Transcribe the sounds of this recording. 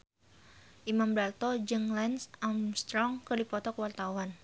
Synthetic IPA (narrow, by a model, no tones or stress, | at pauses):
ʔimambɾart̪ɔd͡ʒɨŋlɛnsamst̪ɾɔŋkɨrdipɔt̪ɔkəwart̪awan